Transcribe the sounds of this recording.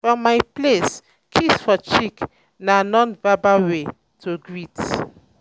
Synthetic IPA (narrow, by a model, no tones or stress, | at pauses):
fɹɔ̃mːajples | kʰisfɔt͡ʃik | nanɔ̃nbabawe | tʰoɡɹit